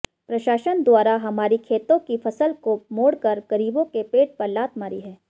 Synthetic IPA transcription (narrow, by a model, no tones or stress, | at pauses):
pɾɐʃaːʃənd̪waːɾaɦɐmaːɾikʰeːt̪õkifɐsəlkomoːɽkɐɾɡɐɾiːbõkepeːʈ̚pɐɾlaːt̪maːɾiɦɛː